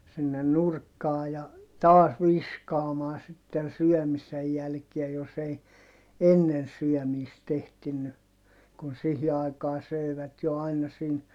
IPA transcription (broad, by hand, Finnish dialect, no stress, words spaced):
sinːen nurkːɑː jɑ tɑːs ʋiskɑːmɑː sitːen̞ syœˑmisej jælkiæ jos ei enːen syœˑmiːst ehtinːy kun sihi ɑi̯kɑː søˑiʋæt jo ɑinɑ sin